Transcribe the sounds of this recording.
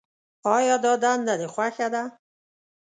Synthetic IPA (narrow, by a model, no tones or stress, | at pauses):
ɔjɔd̪ɔd̪and̪ad̪exwaxad̪a